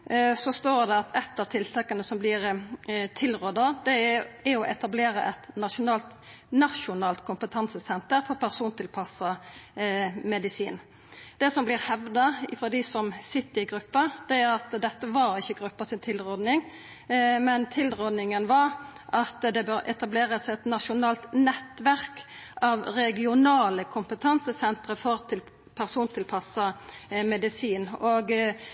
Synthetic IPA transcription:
sɔst̪oːɾd̪ɛɑt̪ʰɛt̪ːɑʋt̪ʰɪlt̪ʰɑkːɑnəsɔmblɪɾt̪ʰɪlɾɔd̪ɑd̪̥ɛæɔʔɛt̪ɑbleːɾəʔɛt̪nɑʃʊnɑːlt̪ | nɑʃʊnɑːlt̪kʰʊmpət̪ʰɑnsəsɛnt̪əɾfɔʁpʰæʁsuːnt̪ʰɪlpʰɑsɑ | mɛd̪ɪsiːn | d̪̥ɛsɔmblɪɾhɛʋd̪ɑɪfɾɔd̪ɪsɔmsɪt̪ːəɪɡɾʉpːɑd̪̥ɛæʁɑt̪d̪ɛt̪ːəʋɑɾɪçːəɡɾʉpːɑsɪnt̪ʰɪlʁɔd̪nɪŋ | mɛnt̪ʰɪlʁɔd̪nɪŋənʋɑɾ | ʔɑt̪d̪ɛbøːɾʔɛ̰t̪ɑbleːʁəsɛt̪nɑʃʊnɑːlt̪nɛt̪ʋæʁk | ʔɑʋɾɛɡɪʊnɑːləkʰʊmpət̪ʰɑnsəsɛnt̪ɾəfɔɾt̪ʰɪl | pʰæʁsuːnt̪ʰɪlpʰɑsɑmɛd̪ɪsiːnoːɡ

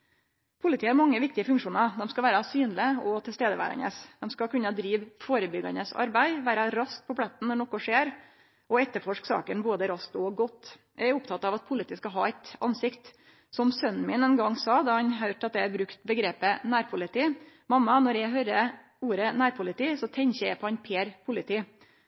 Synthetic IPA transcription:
pʰʊlɪt̪iːhɑɾmɑŋːəʋɪk̚t̪ɪəfʉŋkʂuːnəɾd̪ɛmskɑʋæːɾɑsyːnlɪɔt̪ʰɪlst̪eːd̪əʋæ̰ːɾɑ̰nə̰sd̪̥ɛmskɑkʉnːəd̪ɾiːʋfoːɾəbʏɡɑ̰nəsɑ̰ɾbæɪʋæːɾɑɾɑsk̚pʰɔplɛt̪ːn̩nːɔɳɔkɔʂeːɾ | ʔɔɛt̪ːəɾfɔʂksɑ̰ːkənboːd̪əɾɑskt̪ɔɡɔt̪ːjæɪæɾʊpt̪ʰɑt̪ːɑːʋɑt̪̚pʰʊlɪt̪iːskɑɦɑ̰ːæɪt̪ɑ̰nsɪkt̪ | sɔmsœnmɪnɛnɡɑŋːsɑd̪ɑhɑnɦœʏʈɑt̪̚d̪ɛæɾbɾʉkt̪bəɡɾeːpənæːɾpʰʊlɪt̪iː | mɑmːɑnɔɾjæɪɦœɾə | uːɾənæːɾpʰʊlɪt̪ʰiːsɔt̪ʰɛɲçəæ̰ɪpʰɔɛnpʰeːɾpʰʊlɪt̪ʰiː

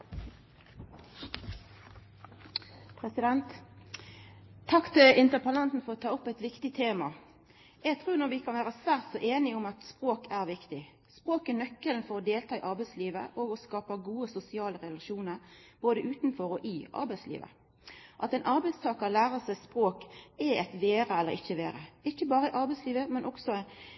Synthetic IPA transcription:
pʰʁɛsɪd̪ɛnt̪ | ɑkt̪ɪlʔɪnt̪əpʰɑlɑnsn̩fɔʁot̪ʰɑːʊpːɛt̪ʋɪkt̪ɪt̪ʰeːmɑ | jæɡt̪ʰʁʉːnɔʁʋɪkʰɑnʋæːʁəsʋæːʁt̪sɔʔeːnɪʊmɑt̪spʁoːkʰæʁʋɪkt̪ɪ | spɾoːkɛnœkːəlnfɔɾɔd̪eːlt̪ʰɑːɪʔɑɾbæɪsliːʋə̰ʔoɡɔskɑːpəɡuːəsʊsɪɑːləʁɛlɑʃuːnəɾb̥oːd̪əʔʉːt̪n̩fɔɾɔʔɪʔɑ̰ɾbæɪslḭːʋə̰ | ʔɑt̪ɛɪnʔɑɾbɛɪst̪ʰɑːkɑəlæːɾəsɛɪspɾoːkɛɛt̪ʋeːɾəɛlːəɾɪ̰çːəʋeːɾə̰ɪçːəbɑːɾəɪʔɑɾbɛɪsliːʋəmɛnʔɔksɔ

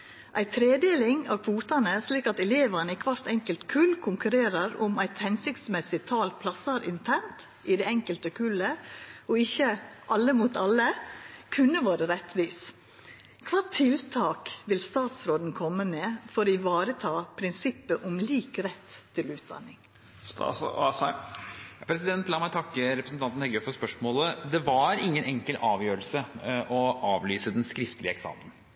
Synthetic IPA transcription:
ʔæɪt̪ʰɾeːd̪eːlɪŋɑ̰ʋkʰʋuːt̪ɑnəsliːkɑt̪ɛleːʋənəɪkʰʋɑɾt̪ɛŋkəlt̪kʰʉlkʰʊŋkʉɾeːɾəɾʊmæɪt̪hɛnsɪkt̪smɛsɪt̪ʰɑːlpʰlɑsɑɾɪ̰nt̪ʰæɳt̪ | ʔɪd̪ɛɛŋkəlt̪əkʰʉləɔɪçːəʔɑlːəmuːt̪ɑləkʰʉnːəʋɑːɾəɾɛt̪ʋiːs | kʰʋɑːt̪ʰɪlt̪ʰɑːkʋɪlst̪ɑːt̪sɾoːd̪n̩kʰɔmːəmeːfɔɾɪʋɑːɾət̪ʰɑːpʰɾɪnsɪpːəʔɔmliːkɾɛt̪ʰːɪlʉːt̪̚d̪ɑ̰nːɪŋ | st̪ɑ̰ːsɑs | pʰɾɛsɪd̪ɛnt̪lɑːmæɪt̪ʰɑkːəɾɛpɾəsn̩t̪ɑnt̪n̩ɛɡœfɔspœʂmoːləd̪ɛʋɑɾɪŋːənɛŋkəlɑːʋjøːɾəlsəʔɔʔɑːʋlyːsəd̪ɛnskɾɪft̪əlɪəɛksɑ̰ːmən

